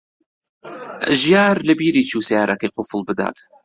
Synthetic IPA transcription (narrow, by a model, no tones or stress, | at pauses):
ʒjaɾləbiɾit͡ʃʰuːseaɾʔakeqʊfəlˠbɨd̪a̰ːt̪